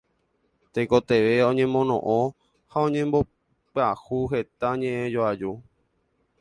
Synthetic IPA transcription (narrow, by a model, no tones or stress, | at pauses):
t̪ekot̪e̞ʋeõɲẽmõ̞nõʔõ | haõ̞ɲẽmbo̞ | pɨahuɦe̞t̪aɲẽʔẽd͡ʒoad͡ʒu